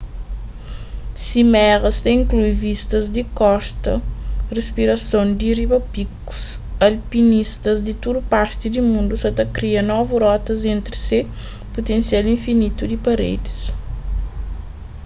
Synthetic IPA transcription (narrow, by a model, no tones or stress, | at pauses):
simɛʁɐst̪ɐĩŋklujvist̪ɐzd̪ikɔst̪ɐ̰respiɾɐsõnd̪iribɐpiku̥s | ɐlpinist̪ɐzd̪it̪uɾupaɾt̪id̪imũnd̪usɐt̪ɐkɾiɐnɔvuɾɔt̪ɐzẽnt̪ɾise | put̪ẽnsjalĩɱfinit̪ud̪ipɐɾḛd̪is